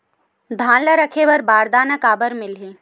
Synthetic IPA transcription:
d̪ʱãːnləɾəkʰeʋəɾbaːɾd̪aːnəkaːbəɾmɪlɦĩː

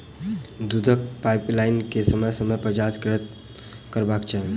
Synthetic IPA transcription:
d̪ud̪ʱək̚paɪplaɪnkesəməjsəməjpɾəd͡ʒaskɾɪət̪̚ | kəɾbaːkt͡ʃʰaɦe

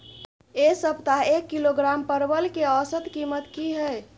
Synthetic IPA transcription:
esəbt̪aekːiloɡɾampəɾbəlkeəsəd̪kimət̪kiɦəj

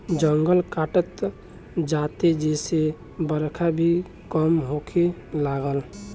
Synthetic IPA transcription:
d͡ʒəŋɡəlkaʈət̪ | d͡ʒat̪ed͡ʒese | bəɾkʰabʱi | kəmɦokʰelaɡəl

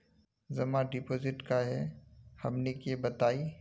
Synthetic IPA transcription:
zɐmãɖɪpoːzɪʈkaɦɛhɐmnekebɐt̪aːi

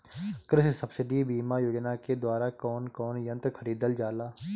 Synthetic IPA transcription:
kɾɪssɐbsɪɖibiːmajoːd͡ʒnaked̪waːɾakɔːnkɔːnjə̃nt̪kʰəɾiːd̪əld͡ʒaːlaː

